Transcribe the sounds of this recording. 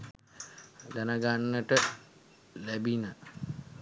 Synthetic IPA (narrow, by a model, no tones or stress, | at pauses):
ɡ̪anaɡanːəʈə | læbinə